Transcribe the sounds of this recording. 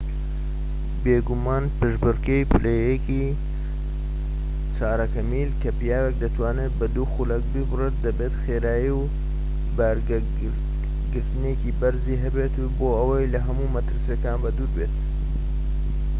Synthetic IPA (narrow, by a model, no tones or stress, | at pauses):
beːɡumaːnpɨʒbɨrkejpʰɨlejeki | t͡saːɾɐkɐmiːlkʰɐpijaːwek̚d̪ɐt̪waːnet̪̚bɐd̪uxulɐk̚bɨbɨret̪̚d̪ɐbeːt̪xeːɾaːjiw | baɾ | ɡɨɾt̪ɨnekibɐɾziːɦɐbeːt̪uboɐwɐjlɐɦɐmumɐt̪ɨɾsekaːnbɐd̪uːɾbet̪